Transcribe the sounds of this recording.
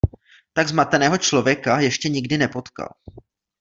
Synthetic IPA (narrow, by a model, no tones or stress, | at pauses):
t̪aɡzmat̪ɛnɛːɦo̞t͡ʃlo̞vjɛkajɛʃcɛɲɪɡdɪnɛpo̞t̪ka̰l